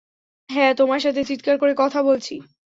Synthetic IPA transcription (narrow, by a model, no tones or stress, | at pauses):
ɦɛ̃t̪omaɾʃat̪ʰet͡ɕit̪kaɾkoɾekɔt̪ʰabolt͡ɕʰi